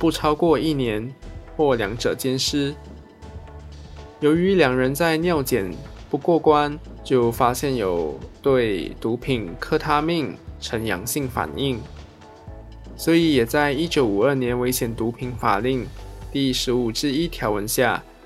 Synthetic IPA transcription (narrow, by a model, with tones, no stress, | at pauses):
pu˥˩ʈ͡ʂʰɑ˥ʊkwɔ˥˧i˥˩njɛ˧˥nxwɔ˥˩ljɑ˧˥ŋʈ͡ʂɤ˨˩t͡ɕjɛ˥nʂɻ̩˥ | jo˧˥ʊy˧˥ljɑ˨˩ŋɻə˧˥nt͡sa˥˧ɪnjɑ˥˩ʊt͡ɕjɛ˨˩npu˥˩kwɔ˥˩kwa˥nt͡ɕjo˥˩ʊfa˥ɕjɛ˥˩njo˨˩ʊt̪we˥˩ɪt̪u˧˥pʰi˨˩nkʰɤ˥t̪ʰa˥mi˥˩ŋʈ͡ʂʰə˧˥njɑ̰˧˥ŋɕi˥˩ŋfa̰˨˩ni˥˩ŋ | swɔ˧˥i˧˥jɛ˨˩t͡sa˥˧ɪi˥t͡ɕjo˧˥ʊu˨˩ə˞˥˩njɛ˧˥nwe˧˥ɪɕʰjɛ˧˩nt̪u˧˥pʰi˧˥ŋfa̰˨˩li˥˩ŋt̪i˥˩ʂɻ̩˧˥u˨˩ʈ͡ʂɻ̩˥˧i˥t̪ʰjɑ˧˥ʊwə˧˥nɕja˥˩